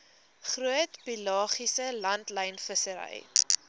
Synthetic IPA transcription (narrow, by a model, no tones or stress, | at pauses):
χruətpilɑːχisəlɐntləjnfəsəɾɛ̰j